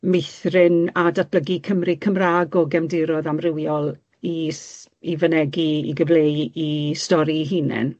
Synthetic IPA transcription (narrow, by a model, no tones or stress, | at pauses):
meθrɪnadat̚bləɡikʰəmrikʰəmraːɡɔɡɛmndɪɾɔðamrɪwjɔlˠ | is | ivənɛɡiḭɡəvlejistɔɾiɦinɛ̰n